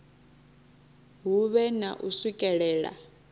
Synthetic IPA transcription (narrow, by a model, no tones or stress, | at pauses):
ɦuβɛna̰ʔusikʼɛɺɛːɺa̰